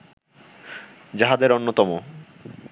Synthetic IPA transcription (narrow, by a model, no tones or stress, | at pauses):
d͡ʑaɦad̪eɾonːot̪ɔmo